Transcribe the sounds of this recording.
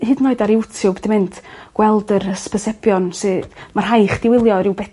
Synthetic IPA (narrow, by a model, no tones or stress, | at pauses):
hɨdnoːɨdaɾɪwtʰjʊwbɛdimɨntʰɡ̥wɛlˠdəɾəspəsɛbjɔnsɨdmar̥ɦajχd̥ɪwɪlˠjɔɾɪwbɛ